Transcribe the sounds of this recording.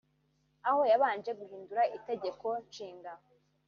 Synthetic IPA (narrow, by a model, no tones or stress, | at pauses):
aho̞jaβaːnd͡ʒe̞ɡuhiːnduɾaʔite̞ɟe̞ko̞nʃiːŋɡa